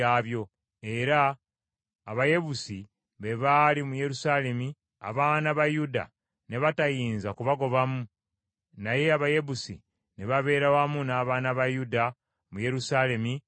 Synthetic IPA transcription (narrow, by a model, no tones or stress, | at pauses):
aβjo̞ | e̞ɾaː | βaje̞βusi | βe̞βalimuje̞ɾusaːle̞mi | a̰βaːnaβajuda̰ | ne̞βatajiːnzakuβaɡo̞βamu | naje̞aβaje̞βusḭ | ne̞βaβe̞ːɾawamunaːβaːnaβajuda | muje̞ɾusaːle̞mi